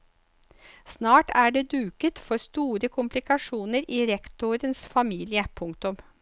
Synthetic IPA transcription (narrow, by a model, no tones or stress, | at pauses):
snɑːʈæːɖeːd̪ʉːkət̪fɔɾst̪uːɾəkʰʊmplɪkɑʂuːnəɾiːɾɛkt̪ʊɾənsfɑmiːlɪəpʰʊŋk̚t̪ʊm